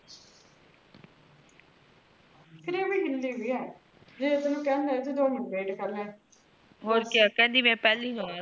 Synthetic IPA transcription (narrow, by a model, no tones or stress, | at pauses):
pʰɪɾeːʋiːɦɪld̪iːɦoiːɛː | d͡ʒeːɪt̪nũːkɛ̃ːnd̪ɛ̃ːt̪̬ud̪oːmɪnbeːɖkəɾlɛ̃ː | ɦoːɾkeaːkɛ̃ːnd̪iːmɛ̃ːpɛːliːnõːa